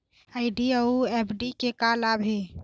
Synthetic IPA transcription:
aɪɖiəuepʰɖikekalabʱe

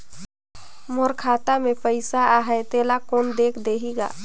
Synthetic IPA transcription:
moːɾkʰaːt̪amẽpəɪsaaːɦet̪eːlakoːnd̪eːkʰd̪eːɦiɡa̰ː

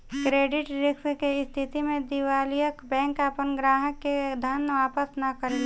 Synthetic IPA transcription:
kɾeːɖɪʈɾɪkskeɪst̪ʰit̪imẽd̪iʋaːlijəkbɛ̃ːŋkəpənɡɾaːɦəkːed̪ʱənʋaːpəsnɐkəɾe

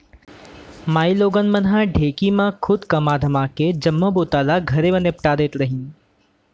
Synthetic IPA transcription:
maːiloːɡənmənɦãɖʱeːkimãkʰʊd̪kəmad̪ʱəmaked͡ʒəmːəboːt̪aːlaɡʱəɾebənepʈaːd̪et̪ɾəɦĩː

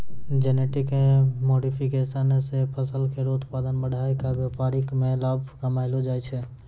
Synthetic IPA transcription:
d͡ʒɛneʈikemoɖipʰikesənsepʰəsəlkeɾod̪pad̪ənbəɽ̤ʱaekabjapaɾikmẽlabʱɡəmaɪlod͡ʒajt͡ʃʰɛ

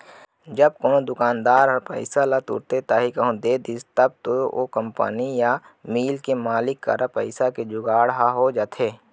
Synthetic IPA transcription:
d͡ʒəb̚koːnod̪ʊkaːnd̪aːɾpə̰ɪsalat̪ṵːɾt̪et̪aːɦikəɦõd̪eːd̪iːst̪əb̚t̪oo̰kəmpə̰nija | miːlkemaːlɪkːa̰ɾapəɪsaked͡ʒʊɡaːɽɦaɦod͡ʒaːt̪ʰeː

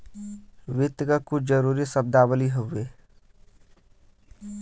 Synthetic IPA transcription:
ʋɪt̪ːɡakʊt͡ʃʰd͡ʒəɾuːɾisəb̚d̪aːwəliɦoeː

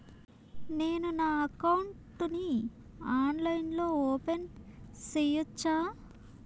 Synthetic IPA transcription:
neːnunaːɐkɐwuɳʈni | aːnlɐjinlo̞ːɔːpensejut͡ʃːaː

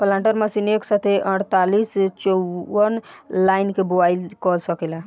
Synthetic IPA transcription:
pəlãɳʈəɾməsineksət̪eʔə̃ɽt̪alist͡ʃɔənlajnkebobajlkɔlsəkɛla

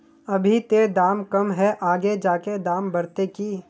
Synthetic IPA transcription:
ɐbʱit̪eːd̪aːmkɐmɦɛʔaːɡed͡ʒaːked̪aːmbɐɾt̪ekiː

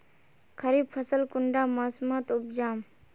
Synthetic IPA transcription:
kʰəɾiːb̚pʰəsəlkʊɳɖaːmaːsumaːt̪ʊp̚d͡ʒaːm

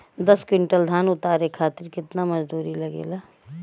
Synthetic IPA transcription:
d̪əskwɪɳʈəld̪ʱaːnʊt̪aːɾekʰaːt̪ɪɾkɪt̪naməd͡ʒd̪uːɾilɐɡḛːlaː

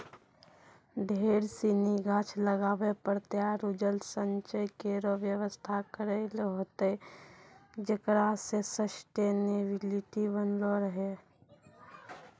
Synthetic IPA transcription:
ɖʱeːɾsiniɡaːt͡ʃʰləɡaːʋepəɾt̪eaɾʊd͡ʒəlsəɲt͡ʃəjkeɾoʋjəʋəst̪ʰakəɾelɦoːt̪e | d͡ʒəkɾasesəsʈenebɪlɪʈibənloɾəɦe

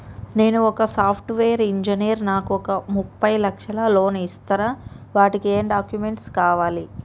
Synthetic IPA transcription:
ne̞ːnuɔkɐsaːpʰʈʋeːɐɾiɲd͡ʒinijɐɾnaːkuɔkɐmupːɐjlɐkʂɐlɐlo̞ːnist̪ɐɾaːʋaːʈikieːmɖaːkjumeɳʈskaːʋaːli

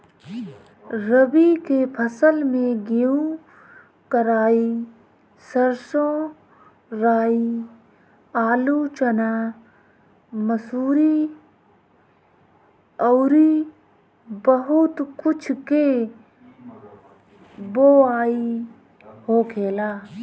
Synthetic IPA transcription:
ɾəbikepʰəsəlmẽɡiũ | kəɾaːi | səɾsõ | ɾaːi | aːlut͡ʃənaː | məsuːɾi | ɔːɾi | bəɦʊt̪kʊt͡ʃʰke | boːaːi | hoːkʰeːlaː

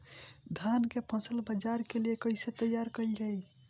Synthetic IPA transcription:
d̪ʱankepʰə̃səlbəd͡ʒaɾkeliekəɪset̪əjːaɾkəld͡ʒaj

